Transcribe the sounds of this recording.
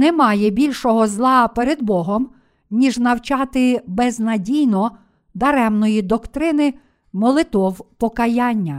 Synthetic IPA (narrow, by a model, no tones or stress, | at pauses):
nɛmɑjɛbʲilʲʃɔɦɔzlˠɑpɛɾed̪bɔɦɔm | nʲiʒnɐwt͡ʃɑt̪ɪbɛznɐdʲijnɔ | d̪ɐɾɛmnɔjid̪ɔkt̪ɾɪnɪ | mɔlˠɪt̪ɔwpɔkɐjɑnʲːɐ